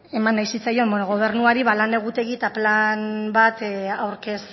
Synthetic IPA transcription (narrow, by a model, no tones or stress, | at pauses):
e̞manːajsit͡sajo̞mbonoɣ̞o̞β̞e̞ɾrnuaɾiβalane̞ɣ̞ut̪e̞ɣit̪aplanbat̪awɾke̞s